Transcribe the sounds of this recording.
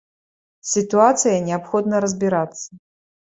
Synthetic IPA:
sʲit̪uat̪sɨjɐnʲɛapxɔd̪nɐɾɐzʲbʲiɾat̪sːɐ

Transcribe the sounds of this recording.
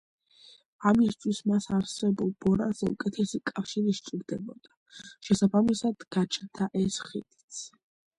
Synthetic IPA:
amist̪ʰwismasaɾsɛbulˠbɔɾa̰zɛṵkʼɛt̪ʰɛsikʼafʃiɾiʃt͡ʃʼiɾd̪ɛbɔd̪a | ʃɛsabamisad̪̥ɡ̥at͡ʃʰnt̪ʰaʔɛsχḭd̪it̪sʰ

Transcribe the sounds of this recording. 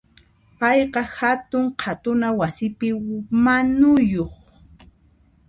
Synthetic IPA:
pɑjqɑhat̪ʊɴqʰat̪ʊnawasɪpɪmanʊjoχ

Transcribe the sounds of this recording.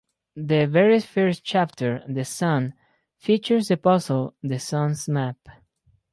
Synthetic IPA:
ðɨvɛɹifɜɹs̚t͡ʃæp̚tʰə˞ðɨsʌ̃n | fit͡ʃə˞sdɨpɔsəlˠðɨsʌ̃nsmæp

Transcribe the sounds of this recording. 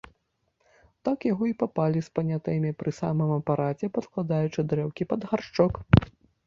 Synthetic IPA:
t̪akjaɣɔipapalʲispɐnʲat̪ɨmʲipɾɨsa̰mɨmɐpaɾat͡sʲɛpɐt̪klˠad̪ajut͡ʂɨd̪ɾɛwkʲipɐd̪ɣart͡ʂɔk

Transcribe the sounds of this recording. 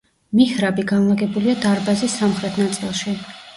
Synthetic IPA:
mihɾabiɡanlˠaɡɛbuliad̪aɾbazisːamχɾɛt̪ʰnat̪sʼilˠʃi

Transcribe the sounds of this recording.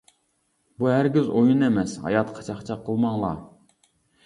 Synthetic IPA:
buɦæɾɡʲizojunɛmɛshɑ̰jɑt̪qʰɑ̥t͡ʃʰɑχt͡ʃʰɑqʰːəlˠmɑŋlˠɑ̰

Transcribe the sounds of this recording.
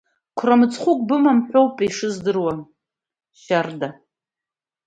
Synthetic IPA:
kʷʰramɨt͡sʰʼχʷʊkʷʼbɨmamħʷᶣowpʼiʂɨzdɨrwa | ʃarda

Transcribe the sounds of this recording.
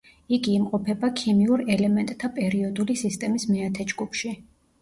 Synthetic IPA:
iɡiːmqʼɔpʰɛbakʰimiuɾɛlɛmɛnt̪ʼt̪ʰːapʼɛɾiɔd̪ulisist̪ʼɛmismɛat̪ʰɛd͡ʒɡupʰʃi

